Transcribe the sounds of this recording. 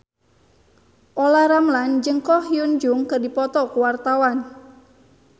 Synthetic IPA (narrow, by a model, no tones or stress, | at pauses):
ʔolaɾamland͡ʒəŋkɔhiund͡ʒʊŋkərdipɔt̪ɔkuwart̪awan